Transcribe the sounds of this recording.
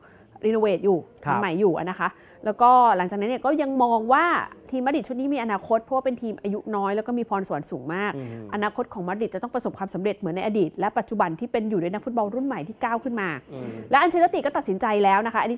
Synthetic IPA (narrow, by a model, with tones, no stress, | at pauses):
ɾiː˧noː˧weː˨˩t̪̚juː˨˩˧ma˨˩jːuː˨˩ʔa̰˨˩na˦˥kʰa˦˥ʔ | lɛː˦˥wkɔː˥˩la˨˩˦ŋt͡ɕaː˨˩kna˦˥ni˥˩kɔː˥˩ja˧ŋmɔː˧ŋwaː˥˩t̪ʰiː˧mːa˦˥di˨˩t̪̚t͡ɕʰu˥˩t̪̚niː˦˥miː˧ʔa˧naː˧kʰo˦˥t̪̚pʰɔ˦˥waː˥pe˧nt̪ʰiː˧mʔa˧ju˦˥nɔː˦˥jlɛ˦˥wkɔː˥˩miː˧pʰɔː˧nsu˨˩˦nsuː˨˩˦ŋmaː˥˩k̚ʔa˧naː˧kʰo˦˥t̪̚kʰɔː˩˦ŋma˦˥di˨˩t̪̚t͡ɕa˨˩t̪ɔ˥˩pɾa˧so˨˩p̚kʰwaː˧msa˨˩˦mɾe˨˩t̪̚mɯ˩˦nːa˧jʔaː˧diː˨˩t̪̚lɛ˦˥pa˨˩t̪̚t͡ɕu˨˩ba˧nt̪ʰiː˥˩pe˧njuː˨˩duː˧˥˩jna˦˥k̚fu˦˥t̪̚bɔ˧lɾu˥˩nma˨˩jt̪ʰiː˥˩kaː˥˩wkʰɯ˥˩nmaː˧lɛ˦˥ʔa˧nt͡ɕa˧la˦˥t̪i˨˩kɔː˥˩˨t̪̚si˩˦nt͡ɕa˧jlɛː˦˥wna˦˥kʰa˦˥ʔni˦˥